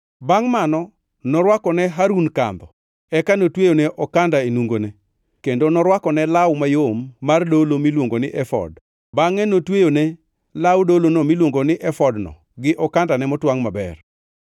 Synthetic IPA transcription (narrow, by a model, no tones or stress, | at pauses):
baŋmanɔ | nɔɾwakɔnɛɦaɾunka̰nd̪ɔ | ɛkanotwejoneʔɔkandaenuŋɡone | kendonɔɾwakɔnɛlawmajomːardolomilwoŋɡonɪʔɛfɔ̰d | baŋɛnotwejone | lawdolonɔmilwoŋɡonɪʔɛfɔdnɔ̰ | ɡɪʔɔkandanɛmɔtwaŋmabɛ̰r